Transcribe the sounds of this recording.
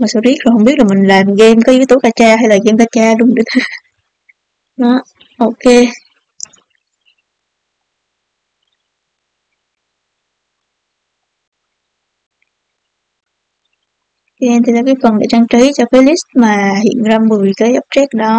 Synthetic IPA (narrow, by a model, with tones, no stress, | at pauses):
maː˨˩so˧zi˦˥k̚zo˨˩jɦə˧wŋ͡mɓi˦˥ət̚laː˨˩mï˨˩ŋ̟laː˨˩mɣɛ˧mkaː˨˦ʔɨ˨˦jt̪o˨˦kaː˧˩t͡ɕaː˧ɦa˧jlaː˨˩ɣɛ˧mkaː˧˩t͡ɕaː˧ɗʊ˨˦ŋ͡mɗɨ˧t̪ʰə˨˦ | nɔ˨˦ | ʔo˧ke˧ | ki˧ʔɛ˧nt̪ʰi˨˩laː˨˩kaː˨˦jfə˨˩nɗḛ˧˩t͡ɕaː˧ŋt͡ɕə˨˦jt͡ɕɔ˧kaː˨˦jli˦˥st̚maː˨˩hḭ˧˨ənzaː˧mvɨ˨˩əjkaː˨˦jʔə˦˥p̚t͡ɕɛ˦˥k̚ɗɔ˨˦